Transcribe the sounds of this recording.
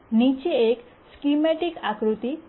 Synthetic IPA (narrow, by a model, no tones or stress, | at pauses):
nit͡ɕiek | skimɛʈikakɾut̪i